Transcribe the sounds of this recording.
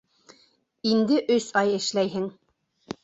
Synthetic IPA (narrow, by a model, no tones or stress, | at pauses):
ind̪ɘʔɵsɑjɘ̆ʃlæjɦɘŋ